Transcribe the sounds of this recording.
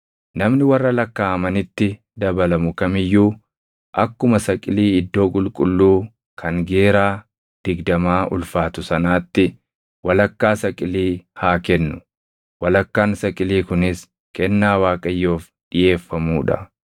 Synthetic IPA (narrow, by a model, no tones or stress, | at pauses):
nɐmnɪwɐrːɐlɐkːaːɐmɐnɪt̪ːɪ | d̪ɐbɐlɐmʊkɐmɪjːuː | ʔɐkːʊmɐsɐkʼɪliːɪd̪ːo̞ːkʼʊlkʼʊlːuː | kʰɐŋɡe̞ːɾaː | d̪̥ɪɡd̪ɐmaːʔʊ̰lfaːt̪ʊsɐnaːt̪ːɪ | wɐlɐkːaːsɐkʼɪliːhaːkɛnːʊ | wɐlɐkːaːnsɐkʼɪliːkʊnɪs | kɛnːaːwaːkʼɐjːo̞ːf | ᶑɪje̞ːfːɐmuːᶑɐ̰